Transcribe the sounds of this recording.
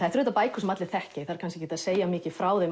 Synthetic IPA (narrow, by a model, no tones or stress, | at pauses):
ajɾθɾʏːt̪apaːjkʰɔs̬mat̪lɪ̥θɛhcɪθaðɾkʰans̬cɪcɛːt̪aðseːjamɪːcɪfɾaːwðej